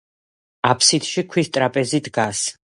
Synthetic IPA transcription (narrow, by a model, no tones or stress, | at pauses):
apʰsit̪ʃikʰwist̪ʼɾapʼɛzid̪ɡas